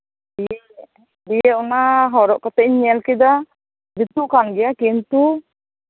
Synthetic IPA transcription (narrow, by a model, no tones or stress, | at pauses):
diɛ | dijɛunaɦɔɾɔʔkɔt̪ɛʔɲɛlkid̪a | d͡ʒit̪uʔkanɡɛjakint̪u